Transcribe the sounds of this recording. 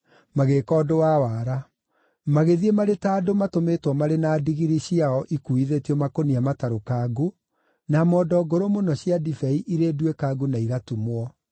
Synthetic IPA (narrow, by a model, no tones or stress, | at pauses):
maɣekɔːdowawaːɾa | maɣeðiemaɾetaːdomatometwɔmaɾenaːdiɣiɾiɕiaɔʔikuiðetiɔmakoniamataɾokaɡu | namɔːdɔɡoɾomonɔɕiadifɛiʔiɾedwekaːɡunaiɣatumwɔ